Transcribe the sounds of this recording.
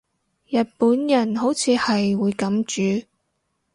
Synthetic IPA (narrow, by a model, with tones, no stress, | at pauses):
jɐ˨t̚puː˨˥njɐ˨˩nɦo˨˥wt͡sʰiː˨˧hɐ˨jwuː˨˧jkɐ˨˥mt͡ʃyː˨˧˥